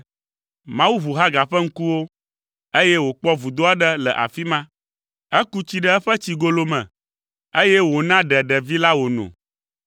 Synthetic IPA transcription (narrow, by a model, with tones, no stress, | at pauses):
mã˦wu˦βu˨ɦa˦ɡa˨ɸə˦ŋ̩˦ku˦wo˦ | e˦jɛ˦wo˨k͡pɔ˦vu˨d̪o˦a˦ɖə˦lə̰˨ʔa̰˨fi˦mã˦ | ɛ˦ku˦t͡ɕi˦ɖə˦ɛ˦ɸə˦t͡ɕi˨ɡo˨lo˦mɛ̃˨ | e˦jɛ˦wo˨nã˦ɖɛ˨ɖɛ˨vi˦la˦wo˨nɔ̰̃˨